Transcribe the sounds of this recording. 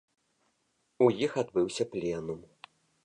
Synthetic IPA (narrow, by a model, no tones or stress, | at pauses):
ujixad̪bɨwsʲɐplʲɛnum